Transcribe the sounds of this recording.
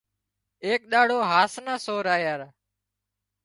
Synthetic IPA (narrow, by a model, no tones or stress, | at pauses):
eːk̚ɗ̪aːɽoːɦaːsnaːsoːɾaːjaːɾ